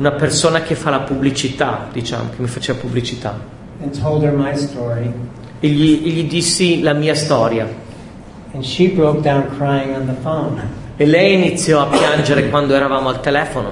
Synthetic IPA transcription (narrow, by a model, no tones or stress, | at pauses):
unapersoːnakefːalapublit͡ʃit̪a̰d̪̥it͡ʃa̰ːmo̰kemːifat͡ʃeːvapublit͡ʃit̪a̰ | ɨ̃ntʰoʊlˠd̚ə˞maɪstɔɹi | eʎːieʎːid̪isːilamiːast̪ɔːɾja | ɨ̃nʃibɹoʊk̚d̥ãʊ̃nkʰɹ̥ajɪ̃ŋə̃nðəfõʊ̃n | elːɛjinit̪sːjɔapjand͡ʒeɾekwand̪oɛɾavaːmoalt̪elɛːfono̰